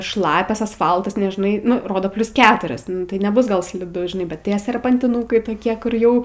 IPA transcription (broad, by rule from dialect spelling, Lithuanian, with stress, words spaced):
ˈʃlˠɑːpʲɛs ɐsˈfɐlˠtɐs nʲɛˈʒnɐɪ ˈnʊ ˈroːdoː ˈpʲlʲʊs ˈkʲæːtʊrʲɪs ˈnʊ tɐɪ nʲɛˈbʊs ɡɐlˠ sʲlʲɪˈdʊ ʒʲɪˈnɐɪ bʲɛt ˈtʲiɛ sʲɛrpɐnʲtʲɪˈnuːkɐɪ toːˈkʲiɛ kʊr ˈjɛʊ